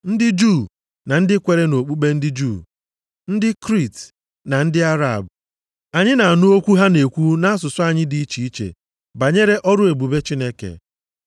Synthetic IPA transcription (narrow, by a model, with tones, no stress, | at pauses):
n̩˦dɪ˦d͡ʒu˦˨ | na˨n̩˦dɪ˦kʷe˨ɾe˦no˨k͡pu˦k͡pe˦n̩˦dɪ˦d͡ʒu˦˨ | n̩˦dɪ˦kɾi˦˨t | na˨n̩˦dɪ˦a˦ɾa̰˨bʊ˨ | a˨ɲɪ˦na˨a˨nʊ˦o˦kʷu˦ɦa˦ne˨kʷu˦na˦a˦s̬ʊ˨sʊ˦a˨ɲɪ˦di˨i˦t͡ʃi˨i˦t͡ʃḛ˨ | ba˨ɲe˦ɾe˦ʔɔ˦ɾʊ˦e˨bu˨be˦t͡ʃi˦ne˦kḛ˨